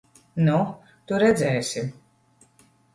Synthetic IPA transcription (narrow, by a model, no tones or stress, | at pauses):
nu | t̪uɾɛd̪zɛːsʲi